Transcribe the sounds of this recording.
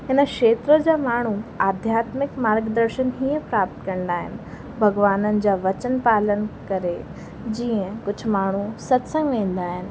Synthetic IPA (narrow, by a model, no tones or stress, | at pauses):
ɦɪnə̆kʃeːt̪ɾəd͡ʑaːmaːɳ̤uaːd̪ʱjaːt̪mɪkmaːɾɡd̪əɾʃənɦiːə̃pɾaːp̚t̪kɐ̃ɽ̃nd̪aːɦɪ̰nɪ̆ | bʱɐɡʋaːnənɪ̆d͡ʑaːʋɐt͡ɕənpaːlənkɐɾe | d͡ʑiːə̃kʊd͡ʑ̆ʱmaːɳ̤̃usɐt̪sə̃ŋɡmẽːn̆d̪aːɦɪnɪ̆